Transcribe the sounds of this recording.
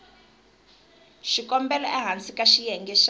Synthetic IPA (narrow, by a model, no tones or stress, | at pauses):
ʃikɔmbɛlɔʔɛɦant͡sikaʃijɛŋɡɛʃ